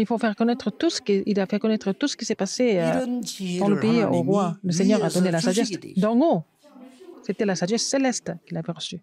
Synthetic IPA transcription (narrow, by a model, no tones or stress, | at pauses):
ilfofɛʁkɔnɛt̪χət̪usə̥kilafɛkɔnɛt̪χət̪usə̥kʲisɛpaseød̪ɑ̃ləpeioʁwaləsɛɲœʁad̪ɔnelasaʒɛsd̪ɑ̃ŋo | set̪ɛlasaʒɛstselɛst̪kʲilavɛʁəsy